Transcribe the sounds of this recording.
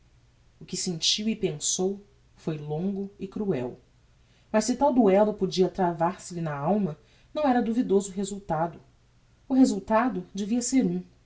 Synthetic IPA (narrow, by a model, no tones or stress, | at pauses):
ʊkɪsẽnt͡ʃiwɪpẽŋsow | fojlõŋɡʊɪkɾuɛ̰w | mɐssɪt̪awd̪uɛlɐpod͡ʒiɐt̪ɾavaɾsɪlɪnɐawmɐ | nɐ̃w̃ɛɾɐd̪uvid̪ozʊɦezuwt̪ad̪ʊ | ʊɦezuwt̪ad̪ʊd͡ʒeviɐseɾũ